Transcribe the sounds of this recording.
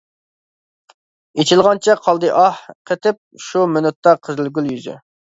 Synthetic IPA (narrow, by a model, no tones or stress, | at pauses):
et͡ʃʰilˠʁɑnt͡ʃʰɛqʰɑlˠd̪ɨʔɑhqʰet̪ʰɪp̚ʃumynʊt̪ːɑqʰəzɪlɡʲyljyzy̰